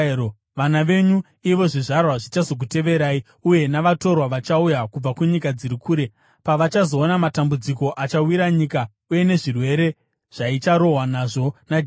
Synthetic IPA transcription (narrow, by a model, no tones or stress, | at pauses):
ʋanaʋe̞ɲu | iʋo̞ʐiʐarwaʐit͡ʃaso̞k̬ute̞ʋe̞ɾaːi | uje̞naʋato̞rwaʋat͡ʃaujakub͡vakuɲikad͡ziɾikʰuːɾe̞ | paʋat͡ʃazo̞ːnamatambud͡ziko̞ʔat͡ʃawiɾaɲika | uje̞ne̞ʐirwe̞ɾe̞ | ʐ̥ait͡ʃaɾo̞ɦwanaʐo̞nad͡ʒ